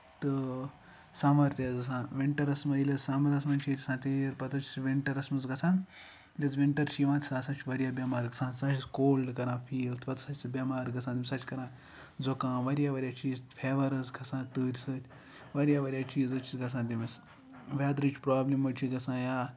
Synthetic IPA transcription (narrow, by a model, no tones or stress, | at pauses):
t̪ɨ | samɐɾt̪ʲezɐs̬ãːʋiɳʈɐɾɐsmɐilʲɐzsamɐɾɐs̬mɐnʲt͡ʃʰit̪ʲisãːt̪iɾpɐt̪ɐt͡ʃʰisʋiɳʈɐɾɐsmɐzɡɐsãːn | lʲɐzʋiɳʈɐɾt͡ʃʰiːʋãːt̪ʲsaːsat͡ʃʰʋɐɾʲjaːbʲjɐmaːɾɡɐsãːnʲsat͡ʃʰiskoːlɖkɐɾãːfʰiːlt̪ʰʋɐt̪sɐt͡ʃʰʲt͡sbʲɐmaːɾɡɐsãːt̪imʲsɐt͡ʃʰʲkɐɾãː | zokãːʋɐɾʲjaːʋɐɾʲjaːt͡ʃiːzt̪pʰeːʋɐɾɐzɡɐsãːnt̪ɨːɾʲsɐːt̪ʲ | ʋɐɾʲjaːʋɐɾʲjaːt͡ʃʰiːzɨt͡ʃʰisɡɐs̬ãːt̪imɐs | ʋʲaːd̪ɾɨt͡ʃʰʲpɾaːblʲimːɐt͡ʃʰiɡɐsãːjaː